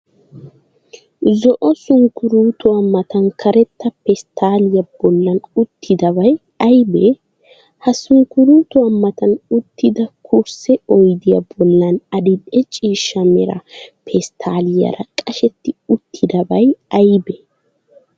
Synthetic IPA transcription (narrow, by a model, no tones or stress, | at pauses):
zɔʔɔsʊŋkːʊɾuːt̪ʊɐmːɐt̪ɐnkʰɐɾɛt̪ːɐpɛst̪ʰaːlɪjɐb̥ɔlːɐnʊt̪ːɪd̪ɐbɐj | ɐjbɛ | hɐsʊŋkʊɾuːt̪ʊwɐmːɐt̪ɐnʊt̪ːɪd̪ɐkʰʊɾsɛɔjd̪ɪjɐ̰bɔlːɐnɐd̪ɪᶑɛt͡ʃʼiːʃːɐmɛ̰ɾɐ̰pʰɛst̪ʰaːlɪjɐ̰ɾɐkʼɐʃɛt̪ːɪʊt̪ʰːɪd̪ɐbɐjɐjbɛ